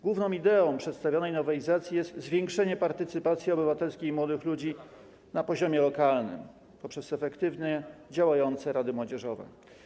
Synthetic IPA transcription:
ɡ̥wuvnɔ̃w̃id̪ɛɔ̃w̃pʂɛt̪st̪avʲjɔnɛjnɔvaizat̪sʲjijɛst̪zvʲjɛŋkʂɛɲɛpaɾt̪ɘt̪sɘpat̪sʲjiɔbɘvat̪ɛlskʲeimwɔd̪ɘxlud͡ʑi | napɔʑɔmʲjɛlɔkalnɘ̰m | pɔpʂɛsɛfɛkt̪ɘvnɛd͡ʑawajɔnt̪sɛɾad̪ɘmwɔd͡ʑɛʐɔvɛ̰

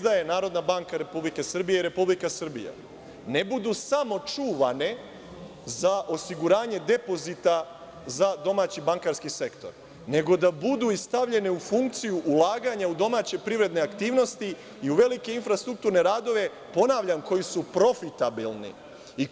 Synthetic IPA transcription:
d̪aje̞naːɾo̞d̪nabaŋkaɾe̞publike̞sr̩bijeiɾe̞publikasr̩bḭja̰ | ne̞bud̪usamo̞t͡ʃuːʋane̞ | zaʔo̞siɡuɾaːɲe̞d̪e̞po̞zit̪a | zad̪o̞maːt͡ɕibaŋkaɾskise̞kt̪o̞ɾ | ne̞ɡo̞d̪abud̪uist̪aʋʎe̞ne̞ufuŋkt̪sijuʔulaːɡaɲaud̪o̞maːt͡ɕe̞pɾivɾe̞d̪ne̞akt̪iːʋno̞st̪i | iuʋe̞like̞infɾast̪ɾuk̚t̪uɾne̞ɾaːd̪o̞ʋe̞ | po̞naːʋʎamko̞jisupɾo̞fit̪abilnḭ | i

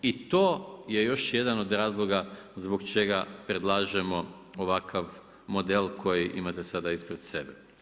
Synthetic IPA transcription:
it̪oːje̞jo̞ʃje̞d̪ano̞d̪ɾaːzlˠo̞ɡazboɡt͡ʃe̞ɡapɾed̪lˠaːʒemo̞ | oʋakʰaʋ | mo̞d̪elkʰo̞jiʔimat̪esad̪aispɾed̪se̞be

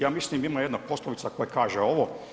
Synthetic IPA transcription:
jaːmislimimajed̪napo̞slˠoʋit̪sakojakaːʒeoʋo

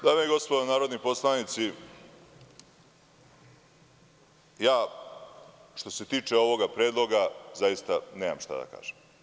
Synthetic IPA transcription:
d̪aːmeeɡo̞st̪pod̪onaːɾo̞d̪nipo̞slˠanit̪si | jaː | ʃt̪o̞se̞t̪iːt͡ʃe̞o̞ʋo̞ɡapɾeːd̪lˠo̞ɡazajist̪aneːma̰mʃt̪a̰d̪a̰ka̰ːʒ̥em

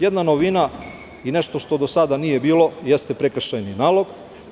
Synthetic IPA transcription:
jed̪nanoʋina | ine̞ʃt̪o̞ʃt̪o̞d̪osad̪anije̞biːlo̞je̞st̪e̞pɾekr̩ʃajninaːlo̞ɡ

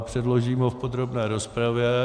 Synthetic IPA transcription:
pr̝̥ɛdlo̞ʒiːmofpod̪ɾobnɛːɾo̞spɾavjɛ

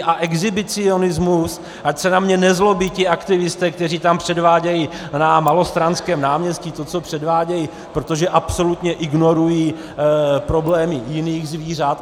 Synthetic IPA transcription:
ʔaʔɛɡzɪbɪt͡sɪo̞nɪzmus | ʔacsɛnamɲɛnɛzlo̞biːcɪʔakt̪ɪvɪst̪ɛːkt̪ɛr̝iːt̪ampr̝̥ɛdvaːɟɛji | namalo̞st̪ɾanskɛːmnaːmɲɛscɪt̪o̞t͡so̞pr̝̥ɛdvaːɟɛji | pɾot̪o̞ʒɛʔapso̞lut̪ɲɛʔɪɡno̞ɾujiː | pɾo̞blɛːmɪjɪniːɣzviːrat̪

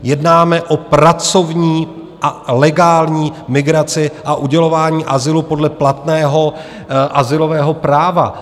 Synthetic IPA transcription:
jɛdnaːmɛʔo̞pɾat͡so̞vɲiː | ʔalɛɡaːlɲiːmɪɡɾat͡sɪʔaʔuɟɛlo̞vaːɲiːʔazɪlupo̞dlɛplat̪nɛːɦo̞ | ʔazɪlo̞vɛːɦo̞pɾaːva̰

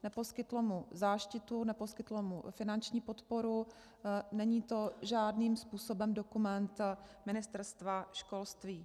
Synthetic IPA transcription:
nɛposkɪt̪lomuzaːʃcɪt̪unɛposkɪt̪lomṵfɪnant͡ʃɲiːpo̞t̪po̞ɾu | nɛɲiːt̪o̞ʒaːdniːmspuːso̞bɛmdo̞kumɛnt̪mɪnɪst̪ɛɾst̪vaʃko̞lst̪viː

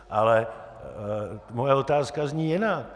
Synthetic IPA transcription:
ʔalɛ | mojɛot̪aːskazɲiːjɪnak̚

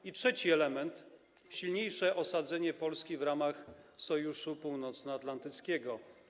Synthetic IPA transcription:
itʂɛt͡ɕiɛlɛmɛnt̪ | ɕilɲejʂɛʔɔsad̪zɛɲɛpɔlskʲivɾamaxsɔjuʂupuwnɔt̪snaat̪lant̪ɘt̪skʲɛɡɔ

